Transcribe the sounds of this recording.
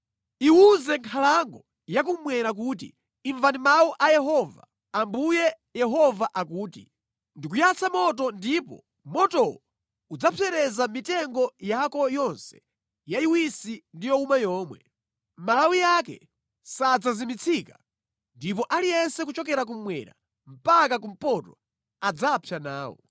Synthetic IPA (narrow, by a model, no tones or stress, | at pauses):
iwuzɛŋkʰalaŋɡɔ | jak̬umwɛɾak̬uːt̬ḭ | iɱvandimawɔʔajɛɦɔva̰ | ambujɛ | jɛɦɔvaʔakuːtḭ | ndikujat͡sʰamɔt̬ɔndipɔ̰ | mɔtɔwɔ | ud͡zapʰɛɾɛzamitɛŋɡɔjakɔjɔnsɛ̥ | jaiwisindijɔumajɔːmwɛ | mawijakɛ̰ | sad͡zazimit͡sʰika | ndip̬ɔʔalijɛnsɛk̬ut͡ʃɔk̬ɛɾak̬umwɛ̰ɾa̰ | m̩pakak̬um̩pɔtɔ | ad͡zapʰjanaːwɔ̰